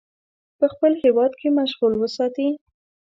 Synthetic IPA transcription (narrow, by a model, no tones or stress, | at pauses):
pəxpəlhewɑd̪kʰemaʃɣulwəsɑt̪i